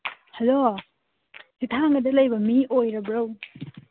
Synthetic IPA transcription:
helo | sitʰaŋɡɐdɐlɐjbɐmiojɾɐbɾow

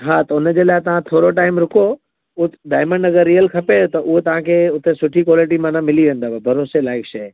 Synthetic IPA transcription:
ɦãt̪ɐʊnəd͡ʑeːlaːɦɪt̪ɐʋ̤ãt̪ʰoːɾoʈaːɪmɾʊko | ʊɖaːɪmə̃ɳɖɐɡəɾːijəlkʰɐpet̪ɐʔʊɦet̪ɐʋ̤ãkʰeʊt̪esʊʈʰikwɔːlɪʈ̬imãnãmɪliʋẽnd̪aːbbʱɐɾoːselaːɪkʃɐj

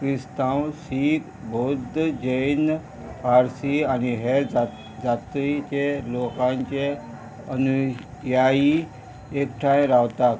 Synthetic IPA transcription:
kɾist̪ãwsiːk̪ | bʱod̪d͡ʑəjn | paɾsianiɦea | d͡zat̪ɾit͡ɕelokãɲt͡ɕe | ənu | jai | ekʈʰãjɾawt̪ak

